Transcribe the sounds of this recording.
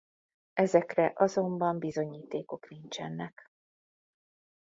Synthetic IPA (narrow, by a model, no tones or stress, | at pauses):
ɛzɛkrɛʔɒzo̞mbɒmbizo̞ɲiːt̪eːko̞knint͡ʃɛnːɛk